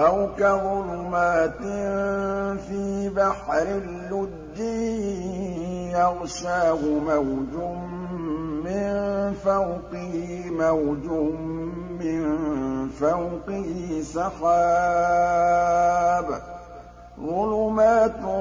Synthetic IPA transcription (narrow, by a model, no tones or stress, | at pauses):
ʔawkaðˤʊlʊmaːt̪ɪnfiːbaħɾɪlːʊd͡ʒːi | jɑɣʃaːhʊmawd͡ʒʊː | ɪnfawqɪh | mawd͡ʒʊː | ɪnfawqɪhɪsɑxaː | b | ðˤʊlʊmaːt̪